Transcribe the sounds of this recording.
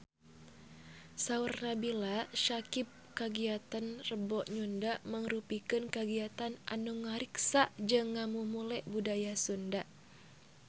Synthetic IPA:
saurnabilaʃakip̚kaɡiat̪anrəbɔʔɲundaʔməŋɾupikɨnkaɡiat̪anʔa̰nuŋaɾiksaʔd͡ʒɨŋːamumulɛʔbudajasundaʔ

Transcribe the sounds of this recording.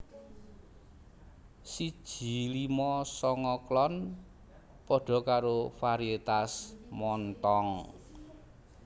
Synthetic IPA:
si̥ʒ̥i̤limɔsɔŋɔklɔn | pɔɖ̥ɔ̤kaɾofaɾiet̪asmɔnt̪ɔŋ

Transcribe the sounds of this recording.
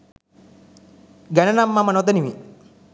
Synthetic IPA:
ɡɐnɐnɐmːɐmɐnod̪ɐnimi

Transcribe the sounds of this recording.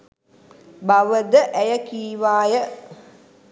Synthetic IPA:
baʋəd̪əʔæjəkiːʋaːjə

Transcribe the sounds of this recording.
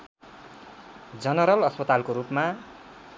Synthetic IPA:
d͡zʌnʌɾʌlʌspʌt̪alkoɾupma

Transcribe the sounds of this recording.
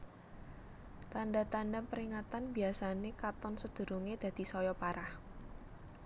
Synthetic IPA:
t̪andat̪andapəɾiŋat̪anbiasanekat̪ɔnsəd̪̥ṳɾuŋed̪̥ä̤d̪̥i̤sɔjɔpaɾah

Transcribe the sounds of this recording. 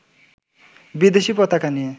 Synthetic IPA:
bid̪esipɔt̪akanie

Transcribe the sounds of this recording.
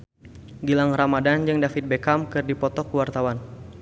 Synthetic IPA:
ɡilaŋramadand͡ʒɨŋdafit̪̚bekamkɨrdipɔt̪ɔkuwart̪awan

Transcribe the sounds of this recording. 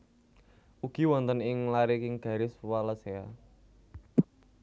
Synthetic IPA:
uɡ̥i̤wɔnt̪ənɪŋlaɾikɪŋɡ̥a̤ɾɪswalasea

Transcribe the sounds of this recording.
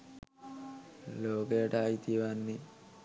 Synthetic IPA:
loːkeːʈajit̪iʋanːi

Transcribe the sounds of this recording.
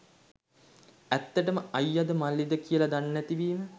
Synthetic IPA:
æt̪ːəʈəməʔajːad̪əmalːid̪əkijəlad̪anːæt̪iʋiːmə

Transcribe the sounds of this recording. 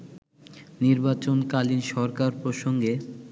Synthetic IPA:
niɾbat͡ɕonkalinʃɔɾkaɾpɾoʃoŋɡe

